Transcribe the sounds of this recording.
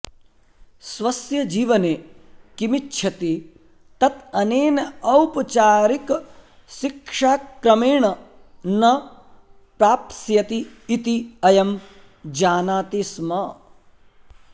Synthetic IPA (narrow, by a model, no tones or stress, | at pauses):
sʋɐsjɐd͡ʒiːʋɐnekimitːʃʰɐt̪i | t̪ɐt̪ɐneːnɐɐwpɐt͡ʃaːɾik | ʃikʂaːkɾɐmeːɳɐ | nɐ | pɾaːp̪̚sjɐt̪iːt̪iɐjɐm | d͡ʒaːnaːt̪ismɐ